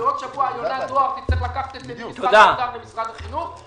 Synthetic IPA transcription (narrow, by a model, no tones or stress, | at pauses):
ʁot̪ʃavuajonazoat̪it͡seχlakaχḁt̪etzet̪od̪ad̪aʁbemisʁat̪aχinuχ